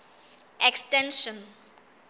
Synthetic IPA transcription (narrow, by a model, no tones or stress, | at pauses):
ɛkstɛ̃nʃə̃n